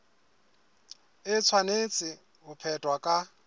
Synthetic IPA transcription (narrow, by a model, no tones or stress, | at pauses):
ɪt͡sʰwanet͡sʼɪ | ɦʊpʰɛtʼwakʼa